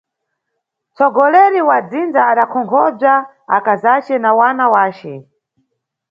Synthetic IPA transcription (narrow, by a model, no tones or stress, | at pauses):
t͡sɔɡɔlɛɾiwad͡zind͡zaːɗakʰɔŋkʰɔb͡ʐa | a̰kazat͡ʃɛnawanawaːt͡ʃɛ